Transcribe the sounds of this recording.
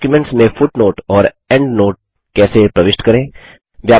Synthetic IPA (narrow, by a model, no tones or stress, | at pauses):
kjumẽɳʈsmẽfʊʈnoːʈɔːɾ | ɛ̃ɳɖnoːʈ̚ | kɛːsepɾɐʋɪʃʈkɐɾẽː | ʋjaː